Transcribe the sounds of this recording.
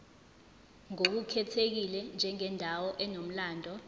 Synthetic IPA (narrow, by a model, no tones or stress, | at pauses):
ŋok̬ukʰɛtʰek̬ilɛnd͡ʒʱɛŋɛndʱawɔʔɛnom̩laːndʱɔ